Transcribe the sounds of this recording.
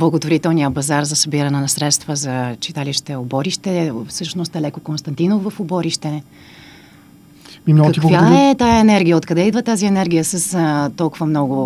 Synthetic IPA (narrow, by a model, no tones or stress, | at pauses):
blˠɐɡot̪voɾit̪ɛlˠnijəpɐzaɾzɐsɐbiɾɐnɛnɐsɾɛt̪st̪vəzɐt͡ʃi̥t̪aliʃt̪ɛobɔɾiʃt̪ɛfsɤʃnost̪ɛlɛkokonst̪ɐnt̪inofvəfʊbɔɾiʃt̪ɛ | imɔkɐtikvaɛt̪aɛnɛɾɡʲijəot̪kɐd̪ɛid̪vət̪aziɛnɛɾɡʲijəsəst̪ɔlˠkʊvəmnɔɡʊ